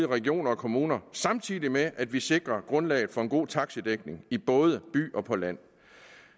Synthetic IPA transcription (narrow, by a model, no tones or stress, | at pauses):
əʁɛɡ̥io̝̰ːnɐɒ̽kʰo̝muːnɐsɑ̈mt͡sʰiːðˠimeʔæd̥ʋise̝ɡ̥ʁɐɡ̥ʁɔ̽nlɛ̰ːɪð̩ˠfɒ̽e̝nɡ̥o̝̰ːt͡sʰɑ̈ɡ̥səd̥eɡ̥ne̝ŋib̥ɔ̽ːð̞ˠəb̥y̰ːɒ̽pʰɒ̽læn̰